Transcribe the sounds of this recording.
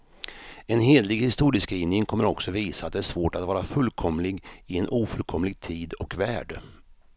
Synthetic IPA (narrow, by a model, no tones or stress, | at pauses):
ɛnɦeːd̪lɪɡhɪst̪uːɾɪskɾinɪŋkʰɔmːəɾɔksɔviːsaat̪̚d̪ɛæːʂv̥oːʈat̪vɑːɾafɵlkʰɔmlɪɡɪɛnʔuːfɵlkʰɔmːlɪɡ̚t̪ʰiːd̪ɔkvæːɖə